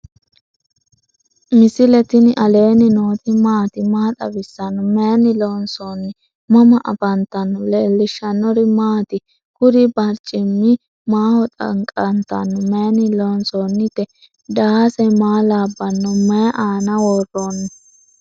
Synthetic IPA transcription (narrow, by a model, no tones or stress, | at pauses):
mɪsɪlɛt̪ɪnɪʔɐle̞ːnɪnoːt̪ɪmaːt̪ɪmaːt̪ʼɐ̰bɪsːɐnːɔmeːnɪlonsoːnːɪ | mɐmɐʔɐ̰bɐnt̪ɐnːɔleːlːɪʃːɐnːɔɾɪmaːt̪ɪ | kʊɾɪbɐɾt͡ʃʼːɪmːɪ | maːhɔt̪ʼɐ̰ŋkʼɐnt̪ːɐ̰nːɔmeːnɪlonsoːnːɪt̪ɛ | d̪ɐhasɛmaːlaːbːɐnːɔmɛjʔaːnɐwɔrːoːnːɔ